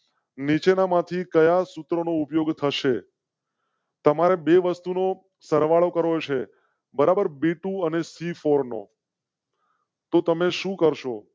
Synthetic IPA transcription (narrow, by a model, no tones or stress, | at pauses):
nit͡ʃenamãt̪ʰikəjasʊt̪ɾonoupjoɡt̪ʰəʃe | t̪əmaɾebeʋəst̪uno | səɾʋaɭokəɾot͡ʃʰe | bəɾabəɾbiʈũənesifoɾno̰ | t̪ot̪əmeʃũkəɾʃo